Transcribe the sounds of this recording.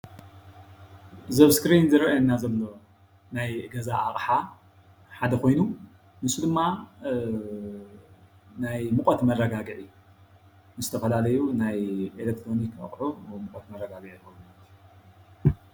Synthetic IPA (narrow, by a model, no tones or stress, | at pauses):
zɐβskɾinzɨɾɐʔɐnːazɐlːo̞ | najɡɐzaʔaχʼħa | ħad̪ɐko̞jnu | mɨsud̪ɨmːa | najmɨkʼɐt̪mɐrːɐɡaɡɨʕi | nɨzɨt̪ʰɐfɐlalɐjunajʔelek̚t̪ʰɾo̞nikʰɐ̰χʼʕumɨkʼɐt̪mɐrːɐɡaɡɨʕixɐwumalt̪ʰiu